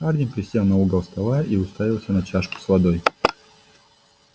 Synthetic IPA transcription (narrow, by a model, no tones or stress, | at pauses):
ardʲɪnʲpɾʲɪsʲelˠnɐuɡəlˠst̪ɐlˠaʔiʊst̪avʲɪlˠsʲənɐt͡ɕaʂkʊ̥slˠɐd̪oj